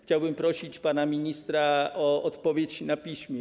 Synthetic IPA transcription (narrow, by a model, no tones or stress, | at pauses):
xcɛlbimpɾosicpaːnaminist̪ɾaʔoʔɔt̪pɔvjɛcnapiːsmɛ